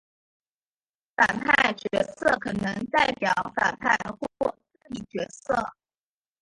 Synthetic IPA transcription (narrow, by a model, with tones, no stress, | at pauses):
fa˨˩npʰa˥˩ɪt͡ɕɥɛ˧˥sɤ˥˩kʰɤ˨˩nɤ˧˥ŋt̪a˥˩ɪpjɑ˨˧˩ʊfa̰˨˩npʰa˥˩˧ɪxwɔ˥˧kwɔ˥˩t͡s̩˥˩i˨˩t͡ɕɥɛ˧˥sɤ˥˩